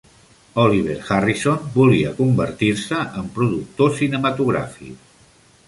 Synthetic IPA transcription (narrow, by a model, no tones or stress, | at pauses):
ɔliβ̞eɾxarisonbuliəkumbəɾt̪iɾsəʔəmpɾuðuk̚t̪osinəmət̪uɣɾa̰fḭk